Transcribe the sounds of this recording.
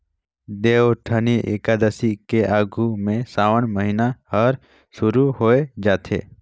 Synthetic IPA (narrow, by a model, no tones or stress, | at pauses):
d̪eːoʈʰəniʔḛkaːd̪əsikeʔaːɡʱumẽsaːwəɳməɦinahəɾ | ʃʊɾuɦoːed͡ʒaːt̪ʰḛː